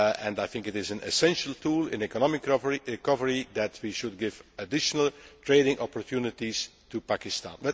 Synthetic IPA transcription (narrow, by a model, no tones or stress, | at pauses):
ɛ̃ndajθɪ̃ŋkɪtɪzə̃nɛ̰sɛ̃nʃəlˠtʰuːlˠɪ̰̃nɛkɔnɔmɪkikɔvəɹid̪ɛtʰwiʃud̚ɡɪvədɪʃənəlˠtɹeɪɾɪ̃ŋʔɔpɔɹtʰjunɪtistupakɪstã̰nwɛ